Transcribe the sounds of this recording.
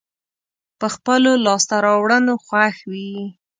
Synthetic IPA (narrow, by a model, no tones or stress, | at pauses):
pəxpəlolɑst̪aɾɑwɽənoxwaxwi